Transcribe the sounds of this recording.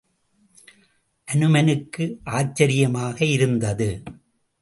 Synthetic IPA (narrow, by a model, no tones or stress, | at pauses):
ʔɐnɯmɐnɯkːɯʔaːt͡ʃːɐɾɪjɐmaːɣɐɪɾɯnd̪ɐðɯ